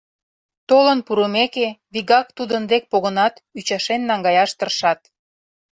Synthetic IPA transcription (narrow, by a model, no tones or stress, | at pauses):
t̪olənpuɾəmekeβiɣɑk̚t̪ud̪ənd̪ek̚poɣənɑt̪yt͡ɕɑʃenːɑŋɡɑjɑʃt̪ərʃɑt̪̚